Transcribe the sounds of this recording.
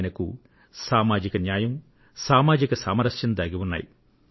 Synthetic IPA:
nɐku | saːmaːd͡ʒikɐnjaːjɐm | saːmaːd͡ʒikɐsaːmɐɾɐʃjɐnd̪aːɡiwunːa̰ːji

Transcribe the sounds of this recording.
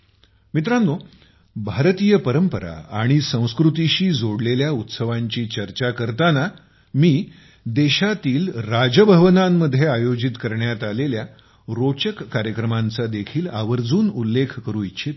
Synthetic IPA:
mit̪ɾanːo | bʱaɾt̪iːjəpəɾəmpəɾa̰aɽ̃isə̃w̃skɾut̪iɕiːd͡zoɽleljaut̪səʋaɲt͡ɕiːt͡ɕəɾt͡ɕakəɾt̪ana | miː | d̪eɕat̪iːlɾad͡ʑəbʱəʋənamːəd̪ʱːjeajod͡ʑit̪kəɾɳjat̪alelja | ɾot͡ɕəkːaɾjəkɾəmant͡sad̪ekʰiːlaʋəɾd͡zuːnulːekʰkəɾuːitt͡ɕʰit̪

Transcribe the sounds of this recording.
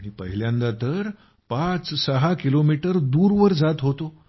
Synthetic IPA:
ɽ̃ipəɦiljãnd̪at̪əɾ | pat͡ssəɦakilomiʈəɾd̪uːɾʋəɾd͡zat̪ɦot̪o

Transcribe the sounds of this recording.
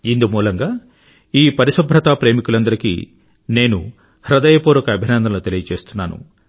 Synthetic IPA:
ind̪umuːlɐŋɡaː | iːpɐɾisɐbʱɾɐt̪aːpɾe̞ːmikulɐnd̪ɐɾikḭː | ne̞ːnṵ | hɾɐd̪ɐjɐpoːɾɔkɐːbʱinɐnd̪ɐlut̪elijɐt͡ʃe̞ːst̪unːaːnṵ

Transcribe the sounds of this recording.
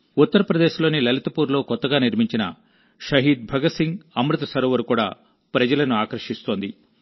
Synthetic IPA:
ut̪ːɐɾɐpɾɐd̪eːʃlo̞ːnilɐlit̪ɐpuːɾlo̞ːkɔt̪ːɐɡaːniɾmiɲt͡ʃinɐ̰ | ʃɐɦiːd̪̚bʱɐɡɐsiŋɡɐmɾut̪ɐsɐɾɔːʋɐɾukuːɽa̰ː | pɾɐd͡ʒɐlɐnuaːkɐɾʂist̪oːnd̪i

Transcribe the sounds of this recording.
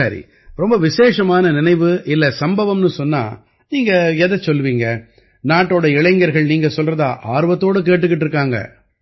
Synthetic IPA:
sɐːɾḭ | ɾɔmbɐʋɪseːʂɐmaːnɐnɪnɐɪʋɯʔɪlːɐsɐmbɐʋɐmnɯsɔnːa̰ː | niːŋɡɐɛðɐsɔlːʋiːŋɡɐ | naːʈːoːɽɐɪɭɐɪŋɡɐɾɣɐɭniːŋɡɐsɔlrɐða̰ːʔaːɾɯʋɐt̪ːoːɽɯk̬eːʈ̬ːɯkːɪʈːɪɾɯk̬ːaːŋɡɐ̰

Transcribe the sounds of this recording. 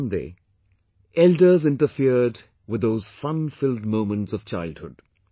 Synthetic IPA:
ndḛː | ʔɛldə˞zɪ̃nʈəfiəd | wɪðːoːz̥fʌ̃nfɪldmõʊ̃mə̃nʈsɔv̥t͡ʃaɪld̚hʊd̥̚

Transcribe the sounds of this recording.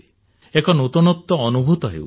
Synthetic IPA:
ekɔnut̪unɔt̪ːɔːnubʱut̪ɔɦḛw

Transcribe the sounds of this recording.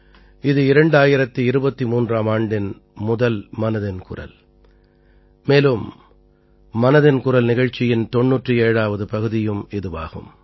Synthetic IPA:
ɪðɯɪɾɐɳɖaːjɪɾɐt̪ːiɪɾɯbɐt̪ːimuːndraːmaːɳɖɪn | mʊðɐlmɐnɐðɪnkʊ̰rɐ̰l | meːlɯm | ɐnɐðɪnkʊrɐlnɪɣɐɻt͡ʃːɪjɪnt̪ɔɳːuːʈrɯeːɻaːʋɐðɯpɐɣɯðɪjɯmɛðɯʋa̰ːɣɯ̰m

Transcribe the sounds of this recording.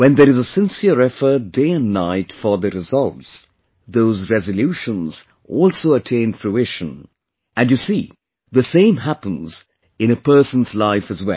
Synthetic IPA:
wɛ̃ndðəɾɨzəsɪ̃nsiəɹɛfə˞t̚d̥eɪɨ̃nnaɪtfə˞ðɨɾɨzʌlˠts | ðoʊzɹɛzəljuʃə̃nz̥ | ʔɔlˠsoʊətʰẽɪ̃nfluɪʃə̃n | ʔɨ̃njɨsi | ðɨsẽɪ̃mɦæpə̃nz̥ | ɨ̃nɨpʰɜ˞sə̃n̩zlaɪfɨzwɛ̰lˠ

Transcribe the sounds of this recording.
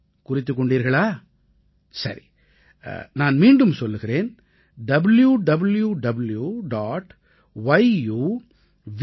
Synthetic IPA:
kʊrɪt̪ːɯk̬ːɔɳɖiːɾɣɐɭaː | sɐ̰ɾḭ | naːnmiːɳɖɯmsɔlːɯɣɪɾeːn | ɖɐbɪljuɖɐbɐljuɖɐbljuɖaːʈ | ʋɐɪjuː | ʋ

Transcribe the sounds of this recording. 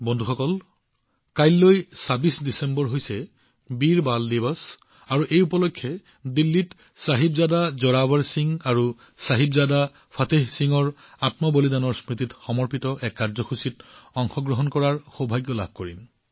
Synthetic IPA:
bɔndʱuxɔkɔl | kajlːojsabisdisembɔɹɦojsɛ | biɹbaldibɔs | aɹuʔejupɔlɔkʰːjɛ | dilːit | saɦibzadazɔɹabaɹsiŋaɹu | saɦibzada | pʰateɦsiŋɔɹ | atmɔbolidanɔɹsɹititxɔmɔɹpitɔʔɛkːaɹzɔxusitɔŋxɔɡɹɔɦɔnkɔɹaɹxobʱajɡjɔla̰b̚ʱkoɹḭn

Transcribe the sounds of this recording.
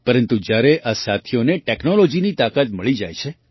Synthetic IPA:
pəɾənt̪ud͡ʒjaɾeʔasat̪ʰijoneʈɛknolod͡ʒinit̪akat̪məɭid͡ʒa̰jt͡ʃʰe

